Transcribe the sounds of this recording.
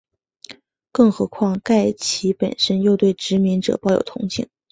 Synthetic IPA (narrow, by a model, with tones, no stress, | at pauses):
kɤ˥˩ŋxɤ˧˥kʰwɑ˥˧ŋka˥˩ɪt͡ɕʰi˧˥pə̰˨˩nʂə˥njo˥˧ʊt̪we˥˩ɪʈ͡ʂɻ̩˧˥mi˧˥ŋʈ͡ʂɤ̰˨˩pɑ˥˧ʊjo̰˨˩ʊt̪ʰʊ̰˧˥ŋt͡ɕʰḭ˥˩ŋ